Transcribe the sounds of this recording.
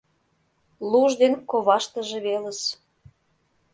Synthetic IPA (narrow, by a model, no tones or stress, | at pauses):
luʒd̪enkoβɑʃt̪ə̆ʒeβeləs